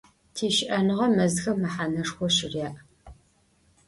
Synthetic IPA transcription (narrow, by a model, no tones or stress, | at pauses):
tʰiːʃɪʔɐnɨʁɐmɐzxɐmɐħaːnɐʂxʷɔʃɪrjaːʔ